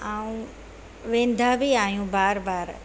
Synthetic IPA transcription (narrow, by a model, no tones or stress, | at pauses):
aːũ | ʋẽːn̆d̪ʱabiaːɦjũbaːɾbaːɾ